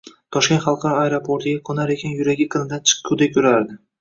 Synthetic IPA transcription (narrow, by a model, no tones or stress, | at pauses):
t̪ʰɒʃkʲe̞nt̪χɑlˠqʰɑɾaeɾopʰoɾt̪ɪɡʲakʰɵnaɾekʲanjʊɾaɡʲɪqʰɨnɪd̪ant͡ʃʰɨ̥qʰːʊd̪ekʲʰɵɾaɾd̪ɪ